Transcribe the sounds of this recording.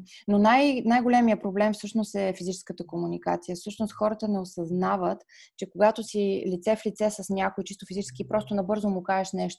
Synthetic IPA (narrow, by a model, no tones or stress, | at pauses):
nonajnajɡolʲɛmijəpɾoblɛmfsɤʃnost̪ɛfizit͡ʃɛ̥skət̪əkomunika̰t̪sijəfsɤʃnost̪xɔɾət̪ənɛosɐznavət̪ | t͡ʃɛkoɡat̪osilit̪sɛflit̪sɛsəsnʲakojt͡ʃist̪ofizit͡ʃɛ̥skʲiːpɾɔst̪onɐbɤɾzomʊkaɛʃnɛʃt̪o